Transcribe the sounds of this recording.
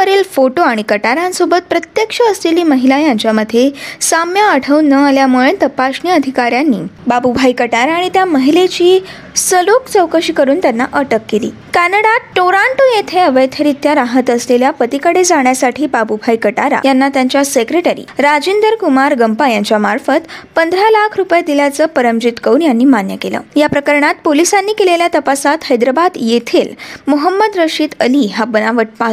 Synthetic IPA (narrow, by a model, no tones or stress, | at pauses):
əɾelfoʈoaɽ̃ikəʈaɾãnsobət̪̚pɾət̪jəkʂəːsleliːməɦilajaɲt͡ɕjaməd̪ʱːjesamjaəʈʰəʋnəaljamuɭet̪əpaɕniəd̪ʱikaɾjanːḭːbabubʱajkəʈaɾaɽ̃it̪jaməɦilet͡ɕiː | səlokt͡səwkəɕiːkəɾuːnt̪janːaʔəʈəkːelḭː | kænəɽaʈːoɾaɳʈojet̪ʰeəʋəjt̪ʰəɾit̪jaɾaɦət̪əsleljapət̪ikəɽed͡zaɳjasaʈʰiːbabubʱajkəʈaɾa̰janːat̪jaɲt͡ɕjasekɾeʈəɾḭːɾad͡ʑind̪əɾkumaɾɡəmpajaɲt͡ɕjamaɾfət̪pənd̪ʱɾalakʰɾupjad̪iljat͡səːpəɾəmd͡ʑit̪kəunjanːiːmanjəkelə̰ːjapɾəkəɾɳat̪polisanːiːkeleljat̪əpasat̪həjd̪ɾabad̪jet̪ʰelmuɦəmːəd̪ɾəʂiːt̪əliːɦabənaʋəʈ̚pa